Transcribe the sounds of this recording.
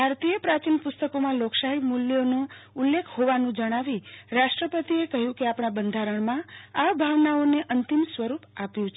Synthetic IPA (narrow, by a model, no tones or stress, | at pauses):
bʱaɾt̪ijəpɾat͡ʃinpʊst̪əkomãloksaɦimuljonũulːekʰhoʋanũd͡ʒəɽ̃aʋiɾaʃʈɾəpət̪iekəɦjũkeapɳabənd̪ʱaɾəɳmãaʋbʱaʋnaoneʔənt̪imsʋəɾupapjũt͡ʃʰ